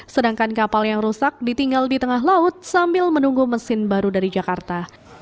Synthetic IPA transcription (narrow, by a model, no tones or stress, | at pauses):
sədaŋkankapaljaŋrusak̚dit̪iŋɡaldit̪əŋaɦlaʊt̪̚sambɪlmənuŋɡuməsɪnbaɾudaɾid͡ʒakart̪a